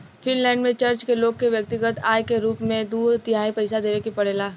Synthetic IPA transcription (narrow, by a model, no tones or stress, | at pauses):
fʰɪnlɛ̃ːɳɖmẽt͡ʃɐɾt͡ʃkeloːɡ̚kːeʋjɐk̚t̪ɪɡət̪aːjkeɾuːpmẽd̪uːt̪ɪɦaːĩpɐɪsad̪eːʋekipɐɽ̤eːlaː